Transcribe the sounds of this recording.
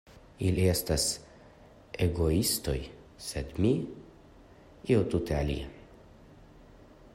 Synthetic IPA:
iliest̪as | ʔeɡoist̪oj | sed̪mi | iowt̪ut̪ealḭe

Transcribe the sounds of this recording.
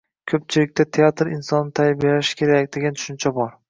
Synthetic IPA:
kʲʰɵp̚t͡ʃʰɪlɪk̚ʲt̪ʰat̪ʰeat̪ɾɪnsɒnːɪt̪ʰajbelaʃkʲʰe̞ɾakʲd̪e̞ɡʲant̪ʰʊ̥ʃɪnt͡ʃʰabɒɾ

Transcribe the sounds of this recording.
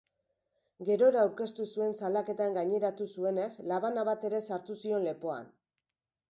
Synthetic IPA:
ɡe̞ɾo̞ɾaːwɾke̞st̪usue̞nsalake̞t̪aŋɡaɲe̞ɾat̪usue̞ne̞slaβ̞anaβat̪e̞ɾe̞saɾt̪usio̞nle̞po̞a̰n

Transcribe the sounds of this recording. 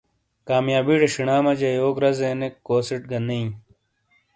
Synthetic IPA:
kaːmjaːbiːʈɐʂiɳaːmɐd͡ʑɐjoːkɾɐzenekːoːsiʈ̚ɡɐneĩ

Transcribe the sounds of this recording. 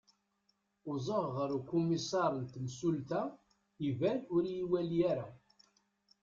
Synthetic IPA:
ʊzˤəʁʁəɾukːumisɑɾˤənt̪msult̪æ | ivæɾʊɾjiwæljæɾæ

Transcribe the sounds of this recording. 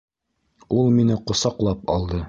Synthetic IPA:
ulˠminɘqŏsɑqlˠɑpɑ̰lˠd̪ɤ

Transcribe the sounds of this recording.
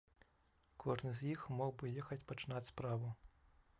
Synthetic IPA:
kʰɔʐnɨzʲjixmɔɣbɨjɛxɐt͡sʲpɐt͡ʃɪnatʲspɾaʋʊ

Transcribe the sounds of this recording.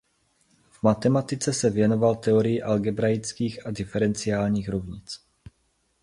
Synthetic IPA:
v̥mat̪ɛmat̪ɪt͡sɛsɛvjɛno̞valt̪ɛoɾɪjɪʔalɡɛbɾajɪt͡skiːxadɪfɛɾɛnt͡sɪaːlɲiːxɾovɲɪt͡s

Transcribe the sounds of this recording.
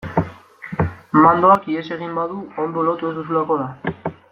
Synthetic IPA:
mand̪o̞akiese̞ɣimbaðuo̞nd̪o̞lot̪ue̞zd̪usulako̞ða

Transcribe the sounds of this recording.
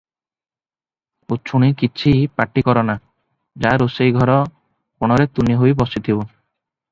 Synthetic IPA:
ot͡ʃʰuɽ̃ikit͡ʃʰipaʈikɔɾɔna | d͡ʒaɾosejɡʱɔɾɔ | koɽ̃ɔɾet̪uniɦojbɔsit̪ʰibɔ

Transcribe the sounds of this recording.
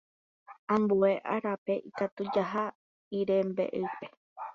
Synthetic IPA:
ãmbue̞ʔa̰ɾape̞ʔikat̪ud͡ʒaɦa | iɾe̞mbe̞̰ʔɨpe̞

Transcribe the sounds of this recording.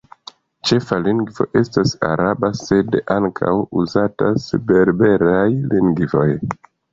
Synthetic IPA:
t͡ʃe̞faliŋɡvo̞̰ʔe̞stasa̰ɾabase̞daŋkʰa̰wuzatasepe̞ɾbe̞ɾajliŋɡvo̞̰j

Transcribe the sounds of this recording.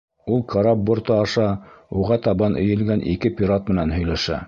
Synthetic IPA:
ulˠkʰɑɾɑp̚bŏɾt̪ɤɑʃɑuʁɑt̪ɑβɑnʔɘ̆jɘ̆lɡænʔḭkɘpʲiɾat̪̚mɘ̆nænɦɵ̆jlæʃæ̰

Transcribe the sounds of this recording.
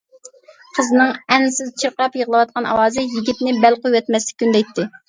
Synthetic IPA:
qʰəznɨŋɛnsɪzt͡ʃʰiɾqɾɑpjəʁlˠɨwɑt̪̚qʰɑnɑ̰wɑːzɨjiɡʲip̚nɪbɛlqojwɛt̪mɛslɪ̥kʲːynd̪ɛjt̪ʰːɪ

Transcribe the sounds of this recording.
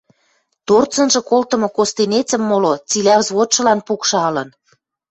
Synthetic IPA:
t̪ort͡sɤ̆nʒɤ̆kolt̪ə̆mŏkost̪enet͡sə̆mːolot͡silʲæzβot̪ʃɤ̆lɑnpukʃɑɑlɤn

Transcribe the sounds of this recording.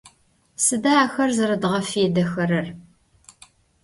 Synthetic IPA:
sɨdaːxɐrzɐɾɐdʁɐfeːdɐxɐɾɐr

